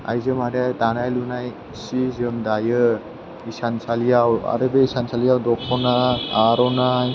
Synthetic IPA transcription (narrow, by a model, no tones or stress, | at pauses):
a̰jzəmaɾat̪anajlunaj | sizɯmd̪ajɯ | isansalijawa̰ɾɯbeisansalijawd̪ɔkʰɔnaaɾɔna